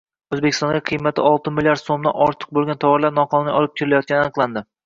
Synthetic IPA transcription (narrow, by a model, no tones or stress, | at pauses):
ɵzbekʲɪ̥st̪ɒŋɡʲaqʰɨjmat̪ʰɪ̰ɒlˠt̪ɪmɪlʲjaɾd̪somd̪a̰nɒɾt̪ʰɨ̥q̚bolˠɡʲant̪ʰavɒɾlaɾnɒqʰɒnɪnɪjɒlˠɪp̚kʲʰeɾɪlajɒt̪̚kʲanɪanɨqlˠand̪ɪ